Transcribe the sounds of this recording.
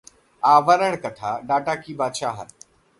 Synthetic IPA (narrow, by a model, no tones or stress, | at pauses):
aʋəɾəɳkət̪ʰaɖaʈakiːbaɕaɦa̰t̪̚